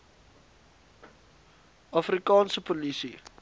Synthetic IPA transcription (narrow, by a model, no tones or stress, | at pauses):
ɑfrikɑːnsəpolisi